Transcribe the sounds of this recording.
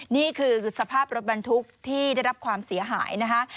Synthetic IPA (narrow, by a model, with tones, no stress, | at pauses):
niː˥˩kʰɯː˧sa˧pʰaː˥˩p̚ɾo˦˥t̪̚ba˧nt̪ʰu˦˥k̚t̪ʰiː˥˩da˥˩jɾa˦˥p̚kʰwaː˧msi˩˦ɐɦa̰ː˩˦jna˦˥kʰa˦˥ʔ